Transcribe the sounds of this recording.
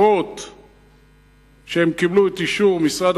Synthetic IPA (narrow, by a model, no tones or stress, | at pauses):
ot | ʃehemkibluetiʃuʁmisʁad̪